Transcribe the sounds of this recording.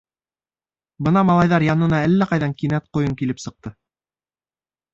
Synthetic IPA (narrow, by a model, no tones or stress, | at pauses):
bɤnɑmɑlˠɑjðɑɾjɑnɤ̆nɑælːæqɑjðɑŋkinæt̪̚qŏjɤŋkilɘpsɤ̆q̚t̪ɤ